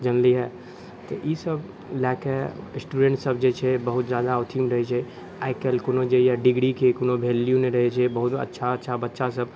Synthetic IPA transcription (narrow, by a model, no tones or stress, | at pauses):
d͡ʒɐnliɦae | t̪ɐʔisəb | laːkɛsʈuɖẽːɳʈsɐbd͡ʒeːt͡ʃʰebɐɦʊt̪zjaːd̪aʊt̪ʰimɾɐɦet͡ʃʰe | aɪkelkʊnod͡ʒejaɖɪɡɽikʰekʊnobʱeːljũmẽɾɐɦet͡ʃʰebɐɦʊt̪ɐ̰tːʃʰaːʃʰabɐtːʃas̬ɐb